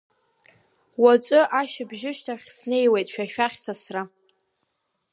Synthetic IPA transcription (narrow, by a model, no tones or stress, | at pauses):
wat͡sʷʼʊʔaʃɪbʒɪʃtʰaχʲsne̞jwe̞jtʼʃᶣaʃᶣaχʲsasra